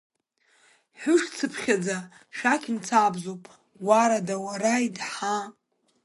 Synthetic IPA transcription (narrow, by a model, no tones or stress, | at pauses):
ħʷᶣʊʂt͡sʰɨpʰχʲad͡za | ʃakʲʰʼnt͡sʰaːbzowpʼ | waɾadawaɾaidħa